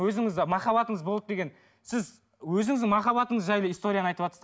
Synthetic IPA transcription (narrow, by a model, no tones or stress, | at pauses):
wɵzɪŋɪzd̪ɪmɑχɑβɑt̪əɴəzbolˠəd̪e̞ɡʲe̞n | sɪz | wɵzɪŋɪzd̪ɪmɑχɑbɑt̪əɴəzʒæjləijst̪o̞ɾʲijanɑjt̪əpɑt̪əs